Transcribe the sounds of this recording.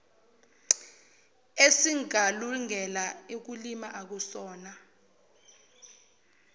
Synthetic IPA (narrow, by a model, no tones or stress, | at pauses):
esiŋʱaluŋɛlaek̬ulimaʔak̬usɔːna